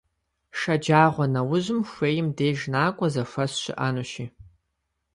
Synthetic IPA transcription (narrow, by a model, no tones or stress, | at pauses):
ʂɐd͡ʒaːʁʷɔnɐwʊʑɪmxʷeːjɪmdeːʒnaːkʷʼɔzɐʂʷɐsɕɪ̰ʔaːnuʃiː